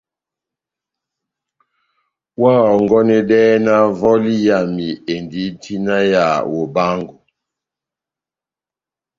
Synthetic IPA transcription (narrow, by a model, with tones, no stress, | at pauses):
wa˦˨ɔ˨ŋɡɔ˦nɛ˦dɛ˦na˦vɔ˦li˦ja˨mi˨e˨ndi˨˦ti˦na˦ja˨wo˨ba˦ŋɡu˨